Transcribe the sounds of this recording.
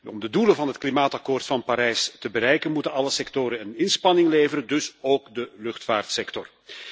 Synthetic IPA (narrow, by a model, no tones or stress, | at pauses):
ɔmdədulənvɑnɦətklimaːtɑkoːrtfɑnpaɾɛjstəbəɾɛjkənmutənɑləsɛktoːɾənənɪnspɑnɪŋleːvəɾəndɵsoːkdəlɵxtfaːrtsɛktɔr